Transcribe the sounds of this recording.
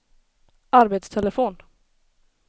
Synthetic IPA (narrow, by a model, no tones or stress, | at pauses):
ʔaɾbeːt̪st̪ʰɛlɛfoːn